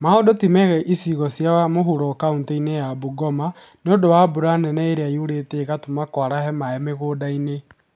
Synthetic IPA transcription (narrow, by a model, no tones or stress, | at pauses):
maodotimɛɣɛʔisiɣɔsjamoɦuɾɔkauntɛinejabuɡɔma | neodowabuɾanɛnɛeɾeaiuɾeteɣatomakwaɾahɛmaɛmeɣoːdaine